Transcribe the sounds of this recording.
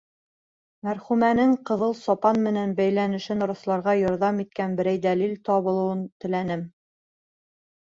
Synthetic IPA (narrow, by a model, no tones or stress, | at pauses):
mæɾχʉmænɘŋqɤ̆ðɤlˠsɒpɑnmɘ̆nænbæjlænɘ̆ʃɘn̆ɾŏslˠɑɾʁɑjɒɾðɑmit̪̚kænbɘ̆ɾæjd̪ælilt̪ɒβɤ̆lˠɤ̆wɤnt̪ɘ̆lænɘm